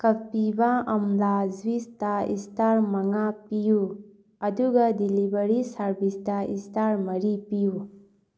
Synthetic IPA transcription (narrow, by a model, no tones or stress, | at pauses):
kɐpibaɐmlaːzwist̪aḭst̪aɾmɐŋapiju | ɐd̪uɡɐd̪ilibəɾisaɾbist̪aist̪aɾmɐɾipiju